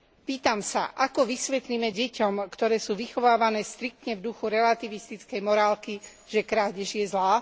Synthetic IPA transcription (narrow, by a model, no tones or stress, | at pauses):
piːt̪amsa̰ʔakɔʋisʋɛt̪liːmɛɟɛcɔmkt̪ɔɾɛːsuːʋixɔʋaːʋanɛːst̪ɾik̚t̪ɲɛvd̪uxuɾɛlat̪iʋist̪it͡skɛjmɔɾaːlki | ʒɛkɾaːɟɛʒjɛzlaː